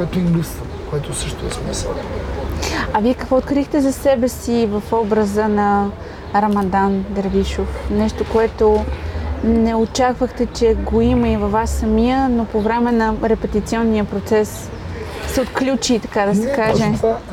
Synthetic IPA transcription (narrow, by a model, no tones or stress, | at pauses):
kɛt̪ʊimlist̪ə | koɛt̪osɤʃt̪oɛsmisə̰lˠ | ɐviɛkəkvɔot̪kɾixt̪ɛzɐsɛbɛsivɐfɔbɾəzənɐ | ɾɐmɐd̪and̪əɾviʃofnɛʃt̪okoɛt̪o | nɛot͡ʃakvəxt̪ɛt͡ʃɛɡoiməivɐvːasːɐmiənopovɾɛmɛnɐɾɛpɛt̪it̪siɔnːijəpɾot̪sɛsː | ɛot̪klʲut͡ʃit̪ɐ̥kad̪ɐsɛkaʒɛ